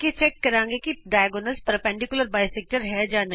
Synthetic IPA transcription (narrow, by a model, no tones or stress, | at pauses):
ket͡ʃɛkːɐɾãːŋɡekiɖaːjɡonəlspɾpɛ̃ɳɖɪkjʊləɾbaːɪsɛːk̚ʈəɾɦɛd͡ʒaːne